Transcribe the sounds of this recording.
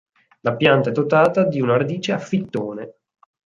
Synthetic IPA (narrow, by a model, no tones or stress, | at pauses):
lapjant̪aɛd̪ot̪aːt̪ad̪iunaɾad̪iːt͡ʃeafːit̪ːoːne